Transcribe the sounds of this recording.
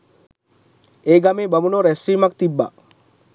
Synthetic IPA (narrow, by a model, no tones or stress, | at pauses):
eːɡameːbɐmunoɾesːiːmak̚t̪ibːa̰